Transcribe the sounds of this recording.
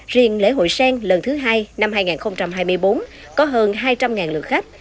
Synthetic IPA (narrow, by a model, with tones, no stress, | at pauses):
zḭ˨˩ənlḛ˧˥˦ɦo̰˧˨jsɛː˧ŋlə˨˩nt̪ʰɨ˨˦ɦaː˧jna˧mhaː˧jŋaː˨˩nxə˧wŋ͡mt͡ɕa˧mɦaː˧jmɨ˧jɓo˨˦n | kɔ˨˦ɦəː˧nɦaː˧jt͡ɕa˧mŋaː˨˩nlɨ̰˨˩ək̚xa˦˥k̚